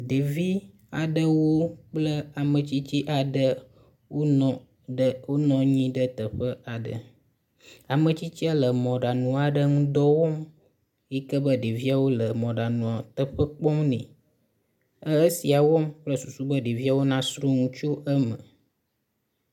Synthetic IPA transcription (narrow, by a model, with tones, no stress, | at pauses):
ɖe˨vi˦ | a˨ɖə˦wo˦k͡plə˦a˨mə̃˨t͡ɕi˦t͡ɕi˦ʔa˨ɖə˦ | wʔo˦nɔ̃˨ | ɖə˦wo˦nɔ̃˦ɲĩ˦ɖə˦t̪ə˨ɸə˦a˨ɖə̰˨ | a˨mə̃˨t͡ɕi˦t͡ɕi˦a˦lə˨mɔ̃˨ɖa˨nũ˨a˨ɖə˦ŋũ˦d̪ɔ˦wɔ˦m | ji˦kə˦bə˦ɖe˨vi˦a˨wo˦lə˨mɔ̃˨ɖa˨nũ˨a˨t̪ə˦ɸə˦k͡pɔ˦mnɛ̰̃˨ | ə˦ə˦si˨a˨wɔ˦mk͡plə˦su˨su˦bə˦ɖe˨vi˦a˨wo˦nã˦sɾu˦ŋũ˦t͡ʃu˦ʔə˦mə̰˨